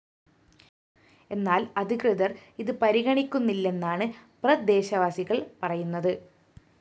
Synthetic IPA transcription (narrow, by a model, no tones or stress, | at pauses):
e̞nːaːlɐd̪ʱikrɨðɐriðɨpɐɾiɣɐɳikʲːunːilːe̞nːaːɳɨprɐd̪e̞ːɕɐʋaːsiɣɐɭpɐrɐjunːɐðɨ